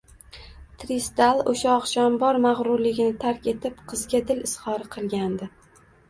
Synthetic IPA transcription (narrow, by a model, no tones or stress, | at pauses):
t̪ʰɾist̪alˠoʃaɒqʃɒmbɒɾmaʁɾʊɾlɪɡʲɪnɪt̪ʰaɾkʲe̞t̪ʰɪpqʰɨzɡʲad̪ɪlɪshɒɾɪqʰɨlˠɡʲand̪ɪ